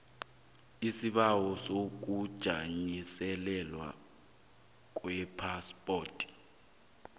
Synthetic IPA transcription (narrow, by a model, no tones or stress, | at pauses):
isiɓawɔsok̬ud̥ʒ̥ʱaɲisɛlɛlwa̰ | k̬ʼwɛpʰaspʼɔːtʰʼi̥